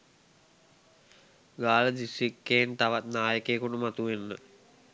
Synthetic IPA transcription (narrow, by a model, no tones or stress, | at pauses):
ɡaːləd̪isikːeːnt̪aʋat̪naːjəkeːkuʈumat̪uʋenːə